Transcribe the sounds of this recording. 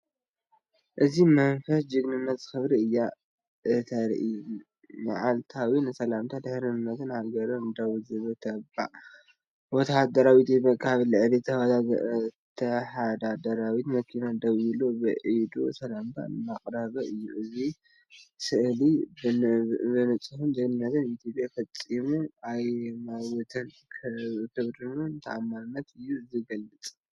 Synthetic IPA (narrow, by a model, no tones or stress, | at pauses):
ʔɨzimɐnfɐsd͡ʒɨɡnɨnːɐt̪z̥ɨxɨβɾiɨjːa | ʔɨt̪ʰɐɾ̰ʔɨ | ma̰ʕalt̪ʰawinɨsɐlamt̪ʰad̪ɨħɾɨɨnːɐt̪ɨnhaɡɐɾond̪awzɨβɨt̪ʰɐba̰ʔ | wɔt̪ʰad̪ɐɾawit̪ebɐkʼːaβlɨʕɨlit̪ʰɐwat̪at̪ʰɐħad̪ad̪ɐɾawit̪mɐkʰinad̪ɐwilobɨʕid̪o̰sʰɐlamba̰maχʼɾaβɐʔɨjːuʔɨzi | sɨʔli | bɨnɐt͡sʼɨhunzɐnnːɐt̪ʰɨnit̪ʰjopʼjafɐt͡sʼːimuajmawɔt̪ʰɐn | kʰkʰɨβɾɨnuɨnt̪ʰɐʔamːaɾɨnːɐt̪ɨjːuziɡɐlːɨt͡sʼ